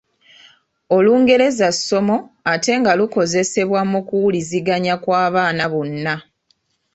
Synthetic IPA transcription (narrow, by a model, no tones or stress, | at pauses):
o̞luːŋɡe̞ɾe̞zasːo̞mo̞ate̞ŋɡaluko̞ze̞se̞βwamokuwuliziɡaɲakwaːβaːnaβunːa